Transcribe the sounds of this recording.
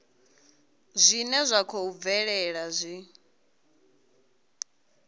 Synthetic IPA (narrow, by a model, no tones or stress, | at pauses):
zʷinɛzʷakʰoub̪vɛɺɛɺazʷi